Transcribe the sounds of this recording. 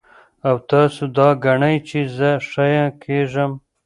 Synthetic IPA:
awt̪ɑsud̪ɑɡaɳajt͡ʃezəʂajãkʰeʐəm

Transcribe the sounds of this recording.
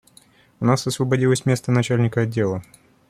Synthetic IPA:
ʊnasɐsvəbɐdʲilˠəsʲmʲe̞st̪ənɐt͡ɕælʲnʲɪkəɐdʲːelˠə

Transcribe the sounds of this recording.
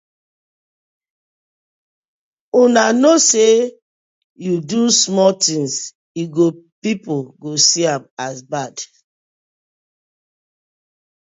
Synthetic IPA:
unanose | judusmɔtĩŋs | iɡopipoɡosiãmazbad

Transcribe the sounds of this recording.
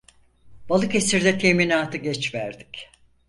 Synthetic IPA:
b̥alˠɯke̞siɾd̪ɛt̪ʰeminaːt̪ʰɯɟɛt͡ʃvæɾd̪ic

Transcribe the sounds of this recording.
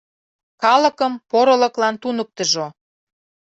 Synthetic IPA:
kɑlə̆kəmpoɾə̆lə̆klɑnt̪unək̚t̪əʒo

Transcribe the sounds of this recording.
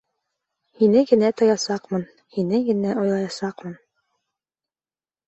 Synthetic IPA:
hinɘɡɘ̆næt̪ŏjɑsɑqmɤn | hinɘɡɘ̆næʔŏjlˠɑjɑsɑqmɤn

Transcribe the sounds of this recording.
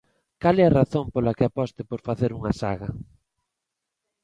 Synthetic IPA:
kalɛɐraθompolɐkɪapɔst̪ɪpoɾfaθeɾuŋɐsa̰ɣɐ

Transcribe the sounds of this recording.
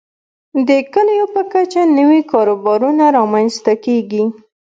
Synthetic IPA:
d̪əkəljopəkat͡ʃanəwikɑɾobɑɾunaɾɑmanst̪akeɡi

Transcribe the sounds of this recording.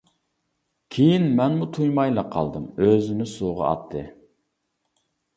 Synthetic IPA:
kʲʰejinmɛnmut̪ʰujmɑjlˠɑqʰɑ̰lˠd̪ɨmøzɪnɪsoʁɑ̰ɑ̰t̪ʰːɨ̰

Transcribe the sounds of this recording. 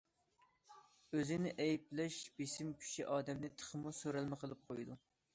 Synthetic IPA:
øzɪnɪʔɛjplɛʃb̥esɪmkʲʰy̥ʃiʔɑːd̪ɛmd̪ɪt̪ʰə̥χəmusøɾɛlmɪqʰəlˠɨp̚qʰojd̪u

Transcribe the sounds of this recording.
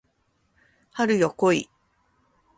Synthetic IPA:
haɾɯ̟jokoi

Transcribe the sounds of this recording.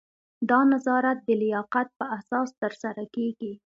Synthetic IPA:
d̪ɑnazɑɾat̪̚d̪əlɪjɑqat̪̚pəʔahsɑst̪əɾsaɾakeɡi

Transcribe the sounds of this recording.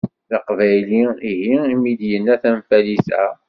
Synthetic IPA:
θɑqvæjliiɦiimid̪jənːæθænfælisæ

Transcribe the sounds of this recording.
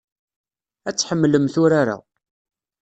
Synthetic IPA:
æt͡sːħəmːləmθʊɾaɾa̰

